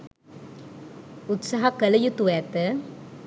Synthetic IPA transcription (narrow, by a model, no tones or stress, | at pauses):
ut̪sɐɦɐkəlɐjut̪uʋɛt̪ə